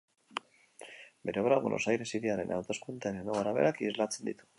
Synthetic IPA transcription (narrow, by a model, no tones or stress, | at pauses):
be̞ɾeoɾaβo̰nʔo̞̰sajɾe̞siðeaɾe̞̰nʔa̰wt̪o̞skunt̪enenoɣaɾaβe̞ɾakizlat͡se̞nd̪it̪u̥